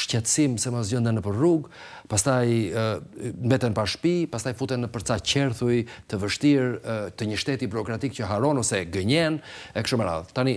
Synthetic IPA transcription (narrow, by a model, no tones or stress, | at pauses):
ʃcɛt̪simsɛmas̬ɟənd̪ənəpəɾruɡ | past̪aj | mbɛt̪ɛnpaʃpipast̪ajfut̪ɛnəpəɾt͡sacɛɾθujt̪əvəʃt̪iɾt̪əɲəʃt̪ɛt̪ibuɾɔkɾat̪ik̚cəɦaɾɔnɔsɛɡəɲɛnɛkʃumɛɾa̰ðt̪ani